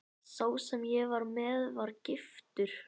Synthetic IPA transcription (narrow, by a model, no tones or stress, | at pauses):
soːwsɛmjɛɣvaɾmɛðvaɾcɪft̪ʏɾ̥